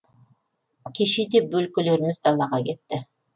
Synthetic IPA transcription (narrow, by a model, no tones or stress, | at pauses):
kʲʰiʃid̪ep̚bølkʲyløɾɪmɪzd̪ɑlˠɑʁɑkʲʰet̪ːɪ